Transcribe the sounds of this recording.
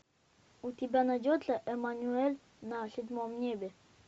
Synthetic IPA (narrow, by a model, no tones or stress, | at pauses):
ut̪ʲɪbʲanad̪ʲod̪lʲəʔɛmanʲuɛlʲ | nasʲɪd̪ʲmomnʲebʲe